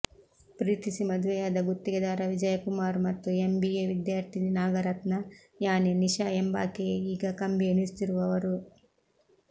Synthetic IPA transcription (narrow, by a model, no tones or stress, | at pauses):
pɾiːt̪isimɐd̪ʋɛjaːd̪ɐɡut̪ːiɡed̪aːɾɐʋid͡ʒɐjɐkumaːɾmɐt̪ːuembieʋid̪jaːɾt̪ʰininaːɡɐɾɐt̪nɐ | jaːneniʃaemba̰ːkeiːɡɐkɐmbeːnist̪iɾuʋɐʋɐɾu